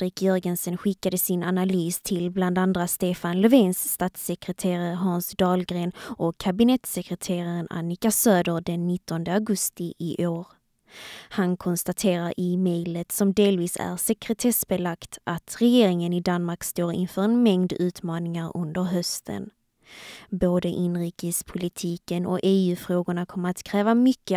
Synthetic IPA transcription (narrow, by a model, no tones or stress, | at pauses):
d̪ɾɪkjœɾɡənsənɧɪkːad̪əsɪnanalyːst̪ʰɪlbland̪and̪ɾast̪eːfanlɛveːnsːt̪ɑːt̪sɛkɾət̪ʰeːɾəɾɦɑnsd̪ɑːlɡɾeːnʔɔkʰːabɪnɛt̪sɛkɾət̪ʰeːɾaɾəna̰nɪkasøːd̪əɾɖɛnːɪt̪ʰːɔnd̪əaɡɵst̪ɪʔɪʔoːɾ | hankʰɔnst̪at̪ʰeːɾaɾɪmɛjlət̪sɔmd̪eːlviːsæ̰ɾsɛkɾɛt̪ʰɛsbɛlakt̪ʔat̪ɾɛjeːɾɪŋənɪd̪anmaɾkst̪oːɾɪ̰nfœːɾɛnmɛŋd̪ʉ̟ːt̪mɑːnɪŋaɾɵ̰nd̪əɾɦœst̪ʰə̰n | boːd̪əʔɪnɾiːkəspʰʊlɪt̪ʰiːkənɔ̰eːʉ̟ːfɾoːɡʊɳakʰɔmːəɾat̪kʰɾɛːvamʏkːə